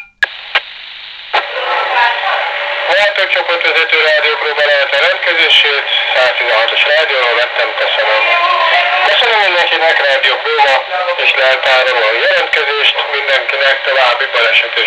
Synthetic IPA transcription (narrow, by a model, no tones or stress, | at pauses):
vɛlt̪ːɛk̚t͡ʃoport̪ʋɛzɛt̪øːɾaːd̪ijoːkroːbɛlɛɦɛt̪ɛɾɛnt̪kɛzeːʃeːt̪saːst̪izɛnɦɒt̪o̞ʃraːd̪ijoːɾoːvɛt̪ːɛmkøsønøm | køsønømːind̪ɛŋkinɛkraːd̪ijokroːmɒeːʃlɛlt̪aːɾomonjɛlɛnt̪kɛzeːʃt̪mind̪ɛŋkinɛkt̪ovaːbːibɒlɛʃɛt̪eː